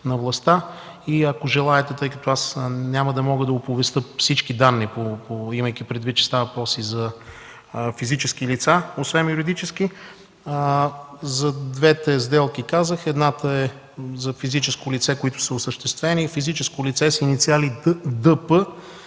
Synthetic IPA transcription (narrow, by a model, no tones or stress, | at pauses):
nɐvlˠɐst̪a | iɐkoʒɛlˠaɛt̪ɛt̪ɤjkɐt̪oasnʲaməd̪ɐmɔɡəd̪ɐopovɛst̪ɤfsit͡ʃkid̪anːipopoimɐjk̟ipɾɛd̪vit̪̚t͡ʃɛ̥st̪avvɐpɾɔsizɐ | fizit͡ʃɛskilit̪saosvɛnjuɾid̪it͡ʃɛsk̟i | zɐd̪vɛt̪ɛzd̪ɛlˠkikazəxɛd̪nat̪əɛ | zɐfizit͡ʃɛskʊlit̪sɛkoit̪ʊ̥sɐosəʃt̪ɛst̪vɛnifizit͡ʃɛskolit̪sɛsinit̪sialid̪ɤpə